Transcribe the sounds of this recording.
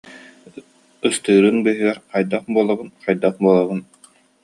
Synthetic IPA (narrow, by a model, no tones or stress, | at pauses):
ɯst̪ɯːɾɯnbɯɦɯɡɛɾqajd̪aχbuɔlˠabɯnqajd̪aχbuɔlˠaβun